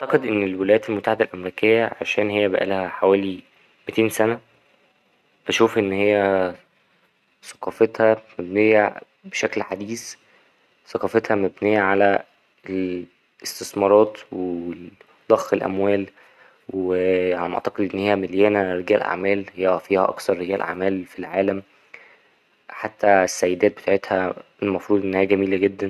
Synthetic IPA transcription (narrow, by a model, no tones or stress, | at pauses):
ʕt̪ɑqed̪ʔenːelwelæjæːt̪elmot̪ːaħed̪ælʔæmeɾiːkejːæʕaʃæːnhejːæbæ̰ʔæ̰lhæħawæːli | met̪eːnsænæ | bæʃuːfʔenːhejːæ | sɑ̥qɑːfet̪hæmæbnejːæ | beʃæklħad̪iːs | sɑqɑːfet̪hæmæbnejːæʕalæ | el | est̪esmɑɾˤɑːt̪we | d̪̥ˤɑxːelʔæ̰mwæːl | weamʔḛʕt̪ɑqed̪ʔenːhejːæmeljæːnæɾeɡæːlʔa̰ʕmæːlhejːæfiːhæʔɑ̰ksɑɾˤːeɡæːlʔa̰ʕmæːlfilʕaːlæm | ħat̪ːæsːæjːed̪æːt̪̚be̥t̪aʕet̪hæelmɑfɾˤuːd̪ˤʔenːhijːæɡæmiːlæɡed̪ːæn